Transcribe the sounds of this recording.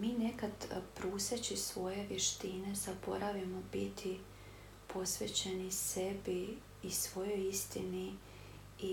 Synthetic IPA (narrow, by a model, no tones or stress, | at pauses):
miːnekad̪pɾuːset͡ɕisʋo̞je̞ʋjeʃt̪ine̞z̥abo̞ɾaʋjimobit̪ʰi | pʰo̞sʋet͡ɕenisebiː | sʋo̞jo̞jist̪ḭni | i